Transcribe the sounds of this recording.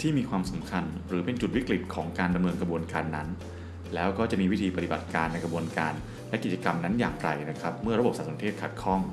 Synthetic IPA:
t̪ʰiː˥˩miː˧kʰwaː˧msa˩˦mkʰa˧nɾɯː˩˦pe˧nt͡ɕu˨˩t̪̚wi˦˥kɾi˨˩t̪̚kʰɔː˩˦ŋkaː˧nda˧mnɤː˧nkɾa˧bu˧ənkaː˧nːa˦˥n | lɛː˦˥wkɔː˥˩t͡ɕa˨˩ʔmiː˧wi˦˥t̪ʰiː˧pa˧t̪i˨ba˨˩t̪̚kaː˧nːa˧jkɾa˧bu˧ənkaː˧n | lɛ˦˥ki˨˩t͡ɕa˧ka˧mna˦˥njaː˨˩ŋɾa̰˧jna˦˥kʰa˦˥p̚mɯ˥˩ɐɾa˧bp̚aː˨˩˥so˨˩˦nt̪ʰeː˥˩kʰa˨˩t̪̚kʰɔ˥˩ŋ

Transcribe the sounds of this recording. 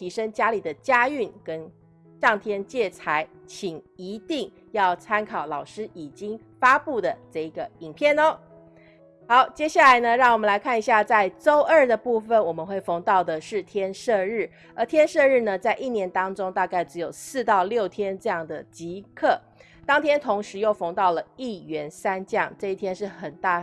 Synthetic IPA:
t̪ʰi˧˥ʂə˥ŋt͡ɕja˥li˨˩d̪ə˦t͡ɕja˥y˥˩nkə˦n | ʂɑ˥˩ŋt̪ʰjɛ˥nt͡ɕjɛ˥˩t͡sʰa˧˥ɪt͡ɕʰi˨˩ŋi˧˥t̪i˥˩ŋ | jɑ˥˩ʊt͡sʰa˥nkʰɑ˨˩ʊlɑ˨˩ʊʂɻ̩˥i˨˩t͡ɕi˥ŋ | fa˥pu˥˩d̪ə˩ʈ͡ʂɤ˥˩i˧˩ɡə˩i˨˩ŋpʰjɛ˥˩nɔ˧˦ | xɑ˧˥ʊt͡ɕjɛ˥ɕja˥˩la˧˥ɪnə˨ɻɑ˥˩ŋwɔ˨˩mə˦nla˧˥ɪkʰa˥˩ni˧˥ɕja˥˧t͡sa˥˩ɪʈ͡ʂo˥ʊʔə˞˥˩d̪ə˩pu˥˩fə˨˩nwɔ˨˩mə˦nxwe˥˩ɪfɤ˧˥ŋt̪ɑ˥˩ʊd̪ə˩ʂɻ̩˥˩t̪ʰjɛ˥nʂɤ˥˧ɻɻ̩˥˩ | ə˞˧˥t̪ʰjɛ˥nʂɤ˥˧ɻ̩˥˩nə˩t͡sa˥˧ɪʔi˥˩njɛ˧˥nt̪ɑ˥ŋʈ͡ʂʊ˥ŋt̪a˥˧ka˥˩ɪʈ͡ʂɻ̩˧˥jo˨˩ʊsɹ̩˥˧t̪ɑ˥˧ʊljo˥˩ʊt̪ʰjɛ˥nʈ͡ʂɤ˥˧jɑ˥˩ŋd̪ə̰˩t͡ɕi˧˥kʰɤ˥˩ | t̪ɑ˥ŋt̪ʰjɛ˥nt̪ʰʊ˧˥ŋʂɻ̩˧˥jo˥˩ʊfɑ˧˥ŋt̪ɑ˥˩ʊlə˩i˥˩ɥɛ˧˥nsa˥nt͡ɕjɑ˥˩ŋʈ͡ʂɤ˥˧i˥˩t̪ʰjɛ˥nʂɻ̩˥˩xə˨˩nt̪a˥˩

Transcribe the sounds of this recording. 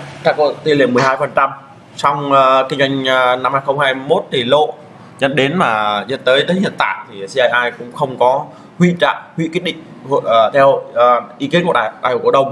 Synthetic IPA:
t͡ɕaː˧˩ko˧˨t̪i˧˩le˧˩mɨ˨˩əjɦaː˧jfə˨˩nt͡ɕa˧m | sɔ˧wŋ͡mːkï˧ŋza˧jŋ̟˧na˧mhaː˧jxə˧wŋ͡mhaː˧jmo˦˥t̚t̪ʰi˨˩lo̰˧˨ | zə̰˧˨nɗe˨˦nmaː˨˩zə̰˧˨nt̪əː˨˦jt̪əː˨˦hḭ˧˨ənt̪a̰ː˧˨jt̪ʰi˨˩si˧aː˧jʔaː˧jkʊ̰˧˥ŋ͡mxə˧wŋ͡mkɔ˨˦ | hwḭ˧˨t͡ɕa̰ː˧˨ʔhwḭ˧˨kwt̚ɗï˧˨ŋ̟ | hːt̪ʰɛ˧wʔi˨˦ki˨˦nku˧˩ɗaː˧˩˨ɗaː˧˩jkːɗə˧wŋ͡m

